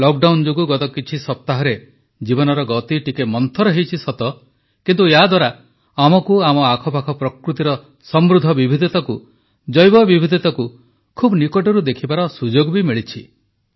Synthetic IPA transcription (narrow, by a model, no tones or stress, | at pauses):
lɔk̚ɖawnd͡ʒoɡuɡɔt̪ɔkit͡ʃʰisɔp̚t̪aɦɔɾe | d͡ʒibɔnɔɾɔɡɔt̪iʈikemɔnt̪ʰɔɾɔɦejt͡ʃʰisɔt̪ɔ | kint̪ueɦad̪waɾa | amɔkuamɔakʰɔpakʰɔpɾɔkɾut̪iɾɔ | sɔmɾud̪ʱːɔbibʱid̪ʱit̪ɔku | d͡ʒɔjbɔbibʱid̪ʱit̪ɔku | kʰubnikɔʈɔɾud̪ekʰibaɾɔsud͡ʒoɡbimiɭit͡ʃʰi